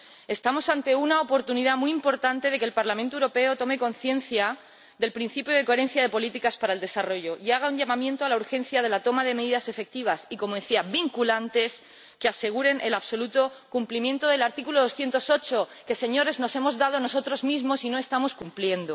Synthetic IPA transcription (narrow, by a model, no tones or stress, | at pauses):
e̞st̪amo̞sant̪e̞unaopo̞ɾt̪uniðamiimpo̞ɾt̪ant̪e̞ðe̞kelpaɾlamẽnt̪oewɾo̞pe̞ot̪o̞me̞ko̞nθjẽ̞nθja | ðe̞lpɾin̟θipjoð̞e̞ko̞e̞ɾẽ̞n̟θjaðe̞po̞lit̪ikaspaɾaeld̪e̞saro̞ʝo̞ʔiaɣ̞auɲʝamãmjẽ̞nt̪oalauɾxẽ̞nθjaðe̞lat̪o̞maðe̞me̞ðiðase̞fe̞k̚t̪iβ̞asiko̞moðeθiabiŋkulant̪e̞s | kease̞ɣ̞uɾe̞nʔelaβso̞lut̪o̞kumplimjẽ̞nt̪o̞ðe̞laɾt̪ikuloð̞o̞sθje̞nt̪o̞so̞t͡ʃo̞ke̞se̞ɲo̞ɾe̞zno̞semo̞zðað̞ono̞so̞t̪ɾozmizmosino̞e̞st̪amo̞skumplje̞nd̪o